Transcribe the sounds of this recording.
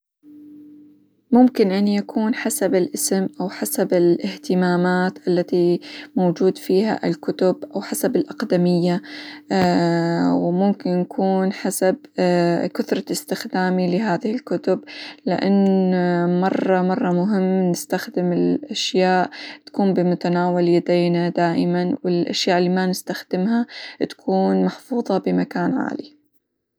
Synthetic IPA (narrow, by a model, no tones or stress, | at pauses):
mʊmkɪnʔanjakʰuːnħasabɪlʔɪsɪmʔawħasabɪlɪht̪ɪmaːmaːt̪ʔalːat̪imowd͡ʒuːd̪fiːha̰ʔɪ̰lkʊt̪ʊbʔawħasabɪlʔaqd̪amɪjːa | wmʊmkɪnjakʰuːnħasab | kʊθɾˤɑɪst̪ɪxd̪aːmilɪɦaːðɪhɪlkʊt̪ʊblɪʔa̰nː | mɑrˤːɑmɑrˤːɑmʊɦɪmːnɪst̪axd̪ɪmɪlʔaʃjaːʔt̪ḁkuːmbɪmʊt̪anaːwalɪad̪aːnad̪aːʔɪmanwɪlʔa̰ʃjaːʔɪlːimanɪst̪axd̪̥ɪmɦat̪ḁkʰuːnmaħfuːðˤɑbɪmakaːnʕa̰ːli